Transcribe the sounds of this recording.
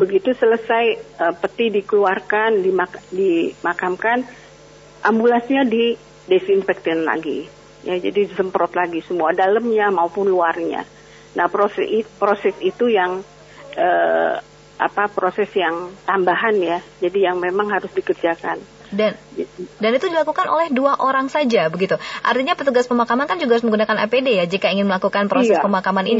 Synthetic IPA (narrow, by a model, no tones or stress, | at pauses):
bəɡit̪usələsajəpət̪ihdikəluarkandimadimakamkan | ʔambulasɲadi | desinfɛk̚t̪ɪnla̰ɡi | jad͡ʒa̰dizəmpɾɔt̪laɡisəmuadaləmɲamaupʊnluarɲa̰ | nahpɾospɾosɛsit̪ujaŋ | ə | ʔa̰papɾosɛsjaŋt̪ambaɦanjad͡ʒadijaŋmemaŋhaɾʊsdikərd͡ʒakan | dandanit̪udilakukanʔo̰lɛhduaʔoɾaŋsad͡ʒabəɡit̪uʔa̰rt̪iɲapət̪uɡaspəmakamankand͡ʒuɡahaɾʊsməŋɡunakanapedejad͡ʒikaiŋɪnməlakukanpəɾosɛspəmakamanini